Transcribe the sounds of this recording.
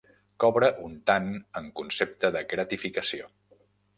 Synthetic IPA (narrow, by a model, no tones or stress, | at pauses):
kɔβɾəʔunt̪anəŋkunsep̚t̪əðəɣɾət̪ifikəsio